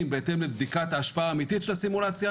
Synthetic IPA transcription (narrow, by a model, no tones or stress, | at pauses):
mbeet̪e̞mlebd̪ikat̪aʃpaaːmit̪it̪ʃelasimulat͡sja